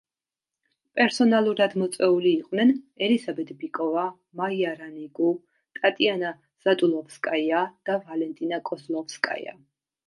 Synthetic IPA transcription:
pʼɛɾsɔnalˠuɾad̪mɔt̪sʼwɛuliːqʼwnɛnɛlizabɛt̪ʰbikʼɔva | maiaɾaniɡu | t̪ʼat̪ʼiana | z̥at̪ʼulˠɔfskʼajad̪̥avalɛnt̪ʼinakʼɔzlˠɔfskʼa̰j̰a̰

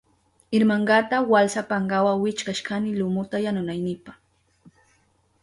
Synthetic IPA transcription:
ɪɾmaɴɢɑt̪awalsapaɴɢɑwawɪt͡ʃkaʃkanɪlʊmʊt̪ajanʊnajnɪpaχ

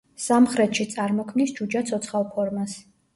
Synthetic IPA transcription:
samχɾɛt̪ʃit̪sʼaɾmɔkʰmnisd͡ʒud͡ʒat̪sʰɔt̪sʰχalˠpʰɔɾmas

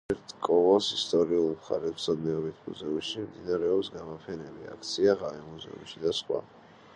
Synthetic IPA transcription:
ɛɾt̪ʰkʼɔlɔsist̪ʼɔɾiulˠmχa̰ɾɛsʰɔd̪nɛɔbit̪ʰmṵzɛumʃimd̪inaɾɛɔpsɡamɔpʰɛnɛlia̰k̚ʰt̪sʰiaʁaɛmuzɛ̰ṵmʃid̪asχwa̰

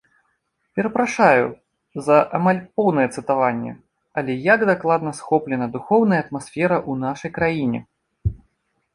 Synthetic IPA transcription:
pʲɛɾɐpɾaʂajṵ | zɐʔamalʲpɔwnɐjɛt̪sɨt̪avanʲːɛ̰ | ɐlʲɛjaɡd̪aklˠad̪nɐsxɔplʲɛnɐd̪uxɔwnɐjɐt̪masʲfʲɛɾɐʔunaʂɐjkɾajinʲɛ̰

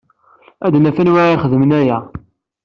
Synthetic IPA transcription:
æd̪næfænwaɾiχəðəmənæjæ

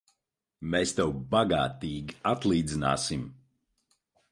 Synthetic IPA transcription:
mɛːst̪ɛwbaɡaːt̪iːɡʲiat̪lˠiːd̪zina̰ːsim

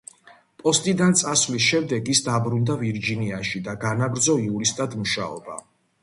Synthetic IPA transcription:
pʼɔst̪ʼid̪ant̪sʼasvlisʃɛmd̪ɛɡisd̪abɾund̪aviɾd͡ʒiniaʃid̪aɡanaɡɾd̪zɔiuɾist̪ʼad̪muʃa̰ɔba̰

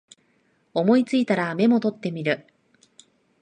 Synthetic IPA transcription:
o̞mo̞it͡sɨit̪aɾame̞mo̞t̪o̞t̪ːe̞mʲiɾɯ̟

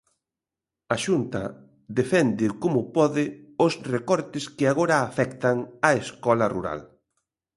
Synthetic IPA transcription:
ɐʃunt̪ɐ̰ | ðefɛnd̪ɪkomʊpɔðɪʊsrekɔɾt̪ɪskɪaɣoɾɐːfɛkt̪ɐŋɐeskɔlɐruɾa̰l

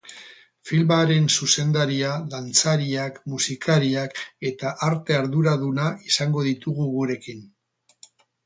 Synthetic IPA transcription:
filmaɾe̞nsuse̞nd̪aɾiaðant͡saɾiakmusikaɾiake̞t̪aʔaɾt̪e̞aɾðuɾaðunaʔisaŋɡo̞ðit̪uɣuɣuɾe̞kin

